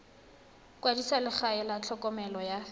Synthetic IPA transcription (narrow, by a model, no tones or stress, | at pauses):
kʼwadisalɪk͡xʰaɛlat͡ɬʰɔkʼɔmɛlɔja